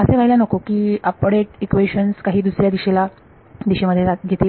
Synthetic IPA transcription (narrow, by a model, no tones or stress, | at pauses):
əseʋaɦilanəkokiːəpɽeʈikʋeɕənskaɦiːd̪usɾjad̪iɕela | d̪iɕiməd̪ʱːjeɾaɡʱet̪e